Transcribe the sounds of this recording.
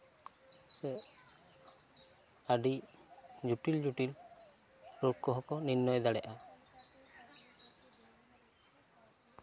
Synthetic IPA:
sɛ | aɖi | d͡ʒuʈild͡ʒuʈil | ɾukːɔɦɔkɔninːɔjd̪aɽɛʔa

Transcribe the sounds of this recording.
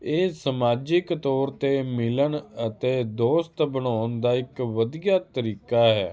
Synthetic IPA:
eːsəmaːd͡ʒɪkt̪ɔːɾt̪eːmɪlənət̪eːd̪oːst̪bənaːnd̪aːɪkʋəd̪ijaːt̪əɾiːkaːɦɛ̰ː

